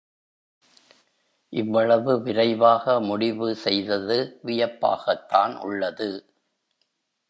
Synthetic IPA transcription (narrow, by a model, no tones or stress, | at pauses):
ʔɪʋːɐɭɐʋɯʋɪɾɐɪʋaːɣɐmʊɽɪʋɯsɛjðɐðɯʋɪjɐpːa̰ːɣɐt̪ːaːnʔʊ̰ɭːɐðɯ